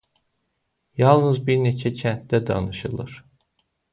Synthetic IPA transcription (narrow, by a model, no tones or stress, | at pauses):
jɑlˠnɯzbiɾne̞t͡ʃʰæt͡ʃʰænt̪̚d̪æd̪ɑ̰nɯʃɯlˠɯ̰ɾ̥